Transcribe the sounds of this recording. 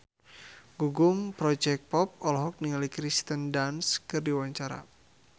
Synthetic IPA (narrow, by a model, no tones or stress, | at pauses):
ɡuɡʊŋpɾɔd͡ʒɛk̚pɔp̚ɔlɔɦɔk̚niŋalikɾist̪əndanskɨrdiwaɲt͡ʃaɾa̰